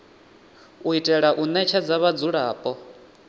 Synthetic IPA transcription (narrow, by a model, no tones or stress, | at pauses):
uitʼɛɺaʔunɛt͡ʃʰɛd͡zaβad͡zuɺaːpʼɔ